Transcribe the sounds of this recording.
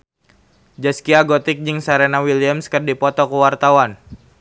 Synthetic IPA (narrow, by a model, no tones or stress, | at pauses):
d͡ʒaskiaɡot̪ɪk̚d͡ʒɨŋsaɾenawiliəmskərdipɔt̪ɔkuwart̪awan